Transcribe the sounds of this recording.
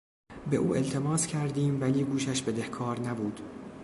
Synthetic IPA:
be̞̰ʔuːelt̪ʰe̞mɒːscʰæɾd̪iːmvæliːɡuːʃæʃbe̞d̪ehkʰɒːɾnæbuːd̪̥

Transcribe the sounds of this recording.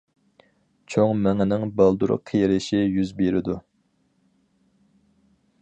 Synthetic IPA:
t͡ʃʰoŋmɛŋɪnɪŋbɑlˠd̪uɾʊ̰qʰijɾɪʃɪjyzbeɾɪd̪u

